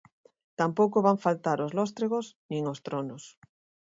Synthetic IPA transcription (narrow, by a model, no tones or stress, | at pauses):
t̪ampowkoβaɱfalt̪aɾozlɔst̪ɾeɣosnĩŋost̪ɾonos